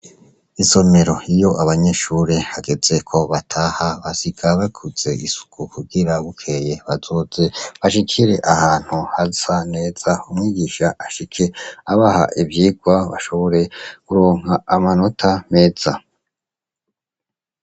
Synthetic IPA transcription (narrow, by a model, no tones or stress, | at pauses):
iso̞me̞ɾo̞ijo̞ʔaβaɲeʃuɾehaɡe̞ze̞kʰo̞βatʰaːhaβasikʰaβakʰuz̥e̞ʔisu̥kʰukuɡiɾaɡukʰe̞je̞βazo̞ːze̞βaʃikʰiɾe̞ʔahaːn̥huhazane̞ːz̥aumŋiːɡiʃaaʃikʰe̞aβaha̰ʔibjiːɡwaβa̰ʃo̞βo̞ɾe̞kuɾoːŋ̥haːmano̞tʰame̞ːz̥a